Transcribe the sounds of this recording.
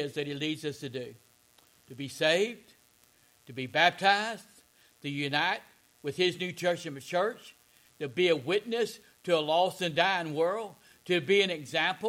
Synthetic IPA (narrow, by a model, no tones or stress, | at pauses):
ɪzðɨt̚hilidzʌstʰɨdʉ | ɾɨbiseɪvd̥ | tʰɨbibæp̚tʰaɪz̥ | tʰɨjʉnaɪt̚ | wɨð̥ɪznʉt͡ʃʰɜ˞t͡ʃɨ̃nɨt͡ʃʰɜ˞t͡ʃ | tɨbiɨwɪtⁿnɨs | tʰɨəlɔsɨ̃ndãɪɨ̃nwɜ˞lˠd̚ | tʰɨbiɨ̃nɨɡzæ̃mp